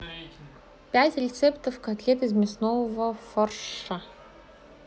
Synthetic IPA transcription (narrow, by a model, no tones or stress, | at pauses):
pʲætʲrʲɪt̪sept̪əfkɐt̪lʲet̪ɨzmʲɪsnovəfɐrʂə